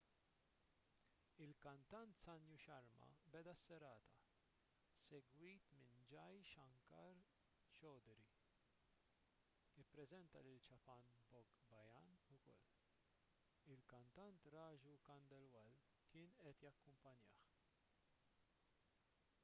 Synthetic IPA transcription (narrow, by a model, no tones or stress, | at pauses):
ɪlkɐnt̪ɐnt̪sɐnjuʃɐɾmɐ̰bɛd̪ɐsːɛɾɐːt̪ɐ | sɛɡwiːt̪mɪnd͡ʒɐjʃɐŋkɐɾ | t͡ʃɔːd̪ɾi | ɪpːɾɛzɛnt̪ɐlɪlt͡ʃɐpɐnbɔɡbɐjɐnʊkɔ̰lː | ɪlkɐnt̪ɐnt̪ɾɐːd͡ʒukɐnd̪ɛlwɐl | kɪːnʔɛt̪jɐkːʊmpɐnjɐ̰ːħ